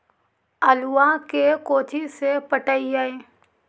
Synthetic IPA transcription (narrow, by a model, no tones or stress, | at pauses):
əlʊwakekoːt̪ʰisepəʈəiaeː